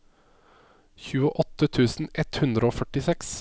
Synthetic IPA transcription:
çʉːəʔɔt̪ːət̪ʰʉːsn̩ʔɛt̪hʉnd̪ɾəoːfœʈɪsɛks

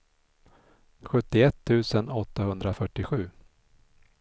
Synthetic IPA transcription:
ɧɵt̪ːɪɛt̪ʰːʉ̟ːsənɔt̪ːahɵnd̪ɾafœʈːɪɧʉ̟ː

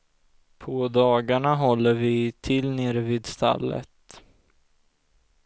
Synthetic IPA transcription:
pʰɔd̪ɑːɡaɳaɦɔlːəɾvɪt̪ʰɪlneːɾvɪːd̪st̪ʰa̰lːə̰t̪

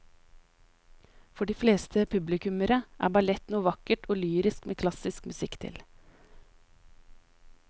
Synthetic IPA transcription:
fɔɖiːfleːst̪ʰəpʰʉblɪkʉməɾəʔæ̰ːbɑlɛt̪nuːʋɑkəʈʰoːlyːɾɪskmḛːkʰlɑsɪskmʉsɪkt̪ʰɪ̰l

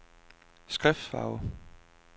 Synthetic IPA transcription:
sɡ̥ʁɛfd̥fɑ̰̈ːʊ

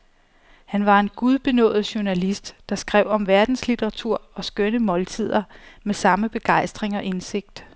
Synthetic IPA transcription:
hænʋɑ̈e̝nɡ̥uð̞ˠb̥e̝nɔ̰̽ːð̩ˠɕuɐnælisd̥ːɑ̈sɡ̥ʁɛʊ̰ɒ̽mʋæɐd̥n̩slit͡sʰeʁɑ̈t͡sʰuɐ̰ɒ̽sɡ̥œnəmɒ̽lt͡sʰið̞̰ˠɐmesɑ̈məb̥e̝ɡ̥ɑ̈ɪ̰sd̥ʁeŋɒ̽ʔe̝nse̝ɡ̥̚d̥

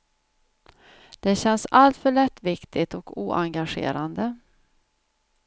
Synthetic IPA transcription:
d̪̥ɛɕɛnsalt̪fœɭɛt̪ːvɪkt̪ʰɪt̪ɔkuːʔaŋɡaɧḛːɾand̪ə

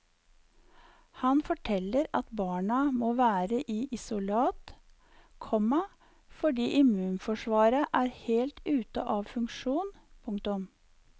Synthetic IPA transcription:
hɑnfɔʈʰɛlːəɾɑt̪bɑːɳɑmoːʋæːɾəʔiːʔɪsʊlɑːt̪ | kʰɔmɑ | fɔɖiːʔɪmʉːnfɔʂʋɑːɾəʔæːɾheːlt̪ʉːt̪ə̰ʔɑːʋfʉŋkʂuːnpʰʊŋkt̪ʊm

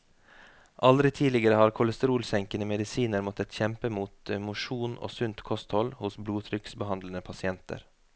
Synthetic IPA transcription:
ʔɑld̪ɾɪt̪ʰiːlɪɡəɾəhɑːɾkʰʊləst̪əɾuːlsɛŋkənəmɛd̪ɪsiːnəɾmɔt̪ət̪çɛmpəmuːt̪mʊʃuːno̰ːsʉnt̪kʰɔst̪hɔlhʊsbluːt̪ʰɾʏksbəhɑnd̪lənəpʰɑsɪɛnt̪ə̰ɾ

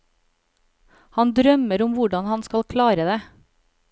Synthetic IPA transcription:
hɑnd̪ɾœməɾʊmʋʊɖɑnhɑnskɑlkʰlɑːɾəd̪eː

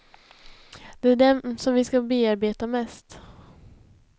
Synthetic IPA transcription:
d̪̥ɛæɖɛsɔmvɪskabeːaɾbeːt̪amɛst̪

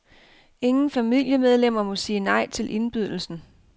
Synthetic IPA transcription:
e̝ŋn̩fæmil̰jəmeð̞ˠlem̰ɐmɔ̽siːnɑ̈ɪ̰t͡sʰe̝lʔe̝nb̥yð̞ˠl̩sn̩

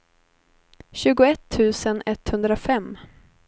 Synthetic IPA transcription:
ɕʉ̟ːɡʊɛt̪ʰːʉ̟ːsənɛt̪ːhɵnd̪ɾafɛmː

